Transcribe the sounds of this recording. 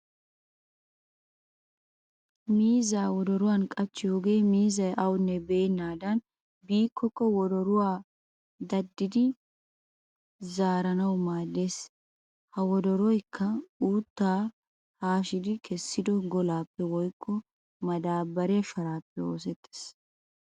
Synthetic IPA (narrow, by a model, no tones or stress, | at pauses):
miːzaːwɔd̪ɔɾʊwaːnkʼɐt͡ʃːɪjoːɡe̞ːmiːzɐjʔɐwʊnːɛbeːnːaːd̪ɐn | biːkːɔkːɔwɔd̪ɔɾʊwaː | d̪ɐd̪ːɪd̪ɪ | zaːɾɐnɐwmaːd̪e̞ːs | hɐwɔd̪ɔɾɔjkʰːɐuːt̪ːaː | haːʃɪd̪ɪkʰɛsːɪd̪ɔɡɔlaːpːɛwɔjkʼːɔ | mɐd̪aːbːɐɾɛɐʃɐɾaːpːɛo̞ːsɛt̪ʼːe̥ːs